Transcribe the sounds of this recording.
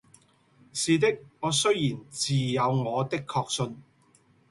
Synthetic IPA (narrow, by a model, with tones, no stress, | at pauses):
siː˨t̪̬ɪ˥k̚ŋɔː˨˧sɵ˥ɥjiː˨˩nt͡siː˨jɐ˨˧wŋɔː˨˧t̪ɪ˥kʰːɔː˧k̚sɵ˧n